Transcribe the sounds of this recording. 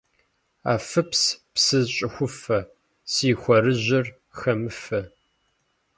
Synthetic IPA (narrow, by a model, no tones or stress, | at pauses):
a̰ːfɨpspsɨzɕʼɪxʷʊfɐ | siːxʷɔɾɨʑɪr | xɐmɨfɐ